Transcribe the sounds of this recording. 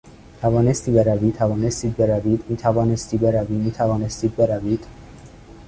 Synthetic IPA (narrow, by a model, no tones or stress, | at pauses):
t̪ʰævɒːnest̪iːbe̞ɾæviːt̪ʰævɒːnest̪iːd̪̚be̞ɾæviːd̪miːt̪ʰævɒːnest̪iːbe̞ɾæviːmiːt̪ʰævɒːnest̪iːd̪̚be̞ɾæviːd̪̥